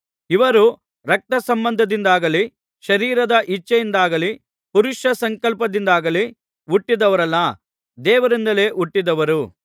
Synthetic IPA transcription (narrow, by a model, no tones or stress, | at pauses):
iʋɐɾu | ɾɐk̚t̪ɐsɐmbɐnd̪ʱɐd̪ind̪aːɡɐli | ʃɐɾiːɾɐd̪ɐʔit͡ʃːɐjind̪aːɡɐli | puɾuʃɐsɐŋkɐlpɐd̪ind̪aːɡɐli | uʈːid̪ɐʋɐɾɐlːɐ | d̪ɛːʋɐɾind̪ɐle̞ːʔuʈːid̪ɐʋɐɾu